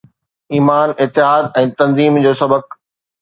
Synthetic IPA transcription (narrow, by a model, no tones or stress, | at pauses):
iːmaːnɪt̪ːɪɦaːd̪ɛ̃ːt̪ɐ̃nziːmd͡ʑoːsɐbək